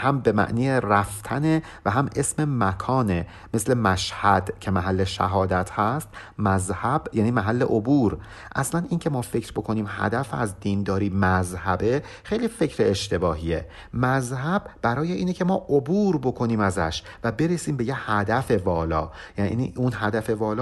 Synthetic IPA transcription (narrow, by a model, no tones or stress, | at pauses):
hæmbe̞mæ̰ʔniːjeræft̪ʰæne | væɦæmʔesme̞mækʰɒːne | me̞slemæʃhæd̪̥cʰe̞mæɦælːeʃæ̰ɦɒːd̪æt̪ʰhæst̪mæzhæbjæːniːmæɦælːe̞ʔobuːɾ | ʔæ̰slæniːncʰe̞mɒːfe̞cɾbo̞kʰo̞niːmhæ̰d̪æfæ̰zd̪iːnd̪ɒːɾiːmæzhæbe̞ | xejliːfe̞cʰɾeːʃt̪e̞bɒːɦie | mæzɦæbːæɾɒːje̞ʔiːnecʰe̞mɒːʔobuːɾbo̞kʰo̞niːmæzæ̰ʃ | væbe̞ɾesiːmbe̞jehæd̪æfe̞vɒːlɒ̰ːjænḭniunɦæd̪æfe̞vɒːlɒː